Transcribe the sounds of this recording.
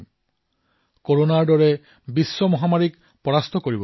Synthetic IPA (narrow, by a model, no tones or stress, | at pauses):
koɹonaɹdɔɹɛ | bisːɔmɔɦamaɹik | pɔɹast̪ʰɔkoɹibɔ